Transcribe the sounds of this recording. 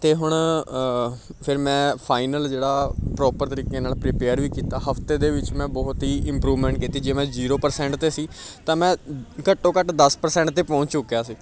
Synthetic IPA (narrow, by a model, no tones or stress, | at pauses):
t̪eːɦʊɳ | pʰɪɾmɛ̃ːpʰaːɪnəld͡ʒeːɽaːpɾɔːpəɾt̪əɾiːkeːnaːlpɾiːpeːəɾʋiːkiːt̪aːɦəpʰt̪eːd̪eːʋɪt͡ʃmɛ̃ːbɔːʊt̪ɦiːʔɪ̃mpɾuːʋmɛ̃ːɳʈkiːt̪iːd͡ʒeːmɛ̃ːziːɾoːpəɾsɛ̃ːɳʈt̪eːsiːt̪ãːmɛ̃ːkəʈːõːkəʈd̪əspəɾsɛ̃ːɳʈt̪eːpɔ̃ːt͡ʃt͡ʃʊkːjaːsiː